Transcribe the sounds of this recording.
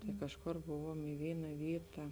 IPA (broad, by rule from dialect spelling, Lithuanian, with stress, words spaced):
tɐɪ ˈkɑːʃˌkoːr ˈbʊʋuɔm ɪ ˈʋʲiːnɐ ˈʋʲiːtɐ